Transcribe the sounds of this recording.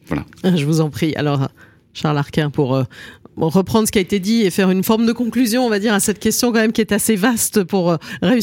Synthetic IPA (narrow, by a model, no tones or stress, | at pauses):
vwa̰la̰ʒəvuzɑ̃pχia̰lɔʁ | ʃaʁlaʁkʲɛ̃puʁøʁəpχɑ̃d̪ʁsə̥kiaet̪ed̪iefɛʁynfɔʁmd̪əkɔ̃klyzjɔ̃ɔ̃vad̪iʁasɛt̪̚kʲɛst̪jɔ̃kɑ̃mɛmkʲiɛt̪asevast̪puʁʁey